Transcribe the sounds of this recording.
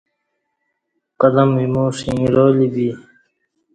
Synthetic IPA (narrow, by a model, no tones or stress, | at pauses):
kʌd̪ɐmimoːsĩɾoːlibiː